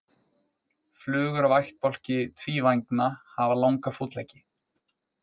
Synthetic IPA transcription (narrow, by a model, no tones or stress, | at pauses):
flʏːɣʏɾavajxt̪̚pɔl̥cɪt̪ʰviːvajŋknahavalawŋkafut̪lajcɪ̥